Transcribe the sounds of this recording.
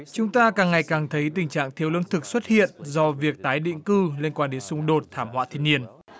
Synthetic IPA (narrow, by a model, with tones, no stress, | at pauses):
t͡ɕʊ˨˦ŋ͡mt̪aː˧kaː˨˩ŋːa˨˩jkaː˨˩ŋt̪ʰə˨˦jt̪̬ï˨˩ŋ̟t͡ɕa̰ː˧˨ŋt̪ʰi˧əwlɨ˧ənt̪ʰɨ˨˩k̚swə˦˥t̚hḭ˧˨ənzɔ˧vi˨˩ək̚t̪aː˨˦jɗḭ̈˧˨ŋ̟kɨ˧le˧nkwaː˧nɗe˨˦nsʊ˧ŋ͡mɗo˨˩t̚t̪ʰaː˧˩mhwa̰ː˧˥t̪ʰi˧˨ni˧ən